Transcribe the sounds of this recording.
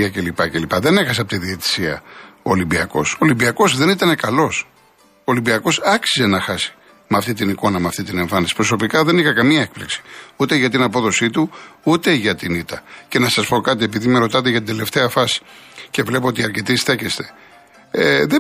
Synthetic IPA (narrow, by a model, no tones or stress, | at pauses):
ɐce̞lipɐcelipɐðe̞ne̞xɐseɐpot̪iðie̞t̪i̥siɐ̰oːlimbiɐko̞̰solimbiɐko̞zðe̞nit̪ɐne̞kɐlo̞s | oːlimbiɐko̞sɐksize̞nɐxɐsi̥ | meɐft̪it̪iniko̞nɐmɐft̪it̪̬ine̞ɱfɐnisi̥pɾo̞so̞pikɐðe̞nixɐkɐmiɐek̚pliksi̥ut̪e̞ʝɐt̪̬inɐpo̞ðo̞sit̪uut̪e̞ʝɐt̪init̪ɐce̞nɐsɐspo̞kɐt̪̬ie̞piðime̞ɾo̞t̪ɐt̪̬eʝɐt̪ind̪e̞le̞ft̪e̞ɐfɐsi̥ce̞vle̞p̬oot̪iɐɾce̞t̪isθe̞cest̪e̞̥ | eðe